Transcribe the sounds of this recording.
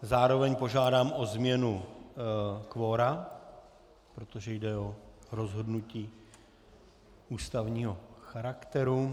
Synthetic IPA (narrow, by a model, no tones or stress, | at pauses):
zaːɾo̞vɛɲpo̞ʒaːdaːmʔo̞zmɲɛnu | kvo̞ːɾa | pɾo̞t̪oʒɛjdɛoɾozɦo̞dnuciː | uːst̪avɲiːɦo̞xaɾakt̪ɛɾu